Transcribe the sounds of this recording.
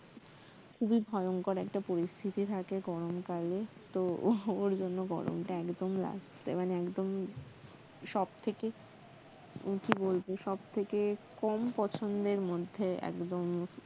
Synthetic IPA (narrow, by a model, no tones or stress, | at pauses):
kʰubibʱɔeoŋkoɾɛkʈapoɾist̪ʰit̪it̪ʰakeɡɔɾomkalet̪ooɾd͡ʑonːoɡɔ̰ɾo̰mʈaɛkd̪omla̰s | ḛmaneɛkd̪om | ʃɔb̚t̪ʰeke | kibolbeʃɔb̚t̪ʰekekɔmpɔt͡ɕʰond̪eɾmod̪ʱːeɛ̰kd̪om